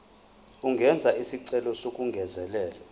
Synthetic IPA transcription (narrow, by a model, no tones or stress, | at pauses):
uŋɡʱɛnd͡zʱaisiǀɛlɔsokʼuŋɡʱɛzɛlɛːla